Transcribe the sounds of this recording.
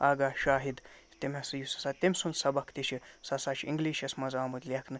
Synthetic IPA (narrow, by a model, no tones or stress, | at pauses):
aːɡaːʃaːɦid̪ | t̪emʲɐsɨjusɐ̥sat̪emʲsunsɐbɐkʰt̪iʃʰisɐsat͡ʃʰḭŋɡliːʃɐsmɐzaːmut̪ʲlʲɐkʰnɨ